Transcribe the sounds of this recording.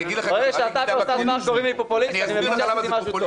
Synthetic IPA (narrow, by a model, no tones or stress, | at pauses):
ʁeɡaʃeat̪akaot̪azmanɡoʁimlipopulisnanimeviʃaimaʃutov